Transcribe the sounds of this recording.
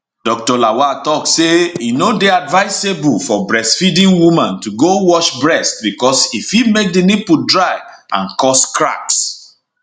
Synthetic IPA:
d̥ɔk̚tɔlawatɔkseinodeadvaɪsebulfɔbɹɛstfidĩnwumãntuɡowɔʃbɹɛst̚bikɔsifjimek̚dinipudɹaɪã̰nkɔskɹa̰ks

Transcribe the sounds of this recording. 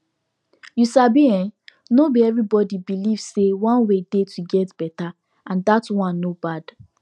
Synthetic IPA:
jusabiɛ̃n | nobiɛvɹibɔdibilivsewɔ̃nwedetʰuɡɛtb̥ɛta | ãndatwãnːobad̥

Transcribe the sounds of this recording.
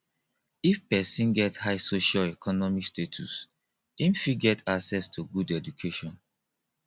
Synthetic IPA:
ifpɛsĩnɡɛthaɪsoʃalɛkʰɔnɔmikstetʰṵs | ĩmfiɡɛtʰaksɛstʰuɡudɛd͡ʒukʰeʃɔ̃n

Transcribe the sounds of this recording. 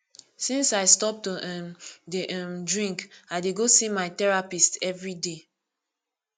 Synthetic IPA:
sĩnsaɪstɔp̚toʔɛmdeʔɛ̃mdɹĩŋkaɪdeɡosimaɪtɛɹapistɛvɹide

